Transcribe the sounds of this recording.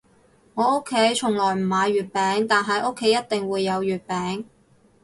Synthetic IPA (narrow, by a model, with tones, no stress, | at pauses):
ŋɔː˨˧o˥kʰːe˨˥jt͡ʃʰʊ˨˩ŋlɔː˨˩jm̩˨˩maː˨˧jɥyː˨t̚pɛː˨˥ŋt̪aː˨nɦɐ˨jʔo˥kʰːe˨˥jɐ˥t̚t̪ɪ˨ŋwuː˨˧jːɐ˨˧wjyː˨t̚pɛː˨˥ŋ